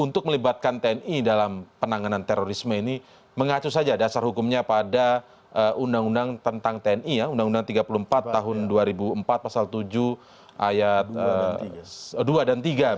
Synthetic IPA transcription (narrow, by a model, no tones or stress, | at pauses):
unt̪ʊk̚məlibat̪̚kant̪eɛnidalampənaŋanant̪eɾoɾisməini | məŋat͡ʃus̬ad͡ʒadasarhukʊmɲapada | ʔəundaŋundaŋt̪ənt̪aŋt̪eɛnijaundaŋundaŋt̪iɡapuluəmpat̪ːaɦʊnduaɾibuəmpat̪̚pasalt̪ud͡ʒu | ʔajat̪ə | duadant̪iɡa